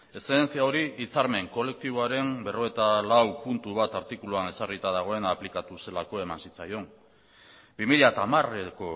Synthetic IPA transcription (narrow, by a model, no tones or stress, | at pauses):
e̞seðent͡siao̞ɾiit͡saɾme̞ŋko̞le̞k̚t̪iβ̞oaɾe̞mbe̞ro̞et̪alawpunt̪uβ̞at̪aɾt̪ikuluane̞sarit̪að̞aɣ̞o̞e̞naplikat̪use̞lako̞e̞mansit͡sajo̞ŋ | bimiʎat̪amareko̞